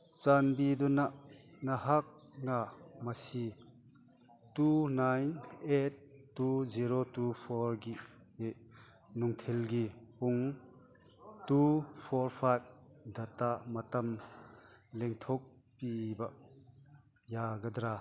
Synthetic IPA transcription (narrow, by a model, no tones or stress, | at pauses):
t͡ʃanbiduna | nɐɦak̚ | ŋamɐsi | tunajnet̚ː | uziɾotupʰɔɾɡi | e | nuŋtʰelɡi | puŋ | tupʰɔɾpʰajb̚ | d̪ʱɐtamɐtɐm | leŋt̪ʰok̚ | pibɐ | jaɡɐd̪ɾa